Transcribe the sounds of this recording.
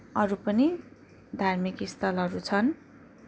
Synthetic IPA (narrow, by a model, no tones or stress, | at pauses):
ʌɾupʌni | d̪ʱarmikist̪ʰʌlɦʌɾut͡sʰʌn